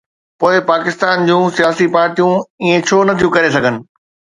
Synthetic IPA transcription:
poːɪpaːkɪst̪aːnd͡ʑũːsijaːsipaːɾʈijũĩːẽt͡ɕʰoːnɐt̪ʰijũkɐɾesɐɡʱənɪ̆

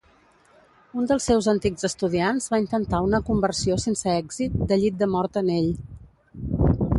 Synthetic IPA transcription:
und̪əlˠsːɛwzənt̪iɡzəst̪uðianzβaint̪ənt̪aunəkumbərsiosensəɛɡzit̪̚d̪əʎit̪̚d̪əmɔɾt̪əneʎ

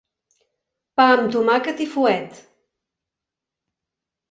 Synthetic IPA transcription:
pamt̪umakət̪ifuɛt̪

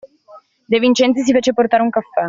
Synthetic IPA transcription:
d̪evint͡ʃɛnt̪sis̬ifeːt͡ʃeport̪aːɾeuŋkafːɛ

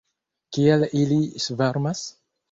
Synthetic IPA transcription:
kialilisveɾmas

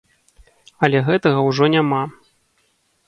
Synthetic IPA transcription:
ɐlʲɛɣɛt̪ɐɣɐwʐɔnʲama

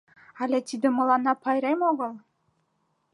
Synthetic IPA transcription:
ɑlʲet̪id̪ɘ̆mɤ̆lˠɑnɑpɑjɾemoɣɤ̆lˠ

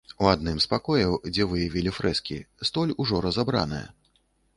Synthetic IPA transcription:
uad̪̚nɨmspakɔjɐwd͡zʲɛvɨjavʲilʲifɾɛskʲḭst̪ɔlʲuʐɔɾɐzabɾa̰nɨ̰jɐ̰

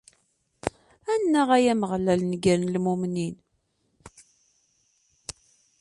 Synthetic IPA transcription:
ænːəʁæjæməʁlælnɡəɾnlmumnin

